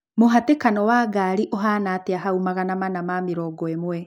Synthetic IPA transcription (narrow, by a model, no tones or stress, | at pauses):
moɦatekanɔwaːɡaːɾiʔoɦaːnateaɦaumaɣanamanamameɾɔːɡɔemwɛ